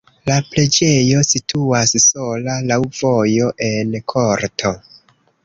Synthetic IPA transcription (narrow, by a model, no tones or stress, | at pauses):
laple̞d͡ʒe̞jo̞sitʰuasso̞lalawvo̞jo̞ʔe̞nkʰo̞ɾtʰo̞